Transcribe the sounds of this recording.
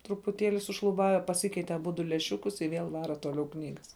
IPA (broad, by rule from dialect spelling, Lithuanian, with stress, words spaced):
trʊpʊˈtʲeːlʲɪ sʊʃlˠʊˈbɑːʋʲɛ pɐˈsʲɪkʲɛɪtʲɛ ɐˈbʊdʊ lʲæːˈʃʲʊkʊs ɪ ˈʋʲeːlˠ ˈʋɑːrɐ toːˈlʲɛʊ ˈknʲiːɡɐs